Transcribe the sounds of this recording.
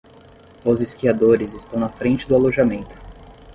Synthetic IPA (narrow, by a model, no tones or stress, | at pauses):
ʊzɪskiad̪oɾɪzɪst̪ɐ̃w̃nɐfɾẽnt͡ʃɪd̪ʊaloʒamẽnt̪ʊ̥